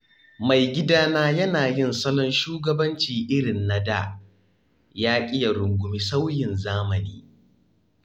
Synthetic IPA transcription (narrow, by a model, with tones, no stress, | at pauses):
ma˨jɡʲɪ˦daː˦naː˦jɐ˦naː˨jɪ˦˨nsɐ˦lɔ˦nʃuː˦ɡɐ˦bɐ˦nt͡ʃiː˨ʔɪ˦ɽɪ˨nːa˦da̰˨ | jaː˦kʲʼɪ˦ja˨ɽʊ˨ŋɡʷʊ˦mi˦sa˦wjɪ˨nzaː˦mɐ˨niː˦